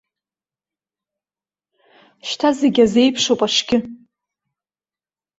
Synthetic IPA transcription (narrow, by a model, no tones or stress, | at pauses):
ʃtʰazeɡʲaze̞jpʰʂowpʼaʂɡʲɪ